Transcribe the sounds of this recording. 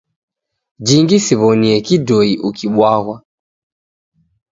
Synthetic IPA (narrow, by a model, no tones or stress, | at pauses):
d͡ʒiŋɡisiβɔniɛkidɔiʔukʰiɓwaɣwa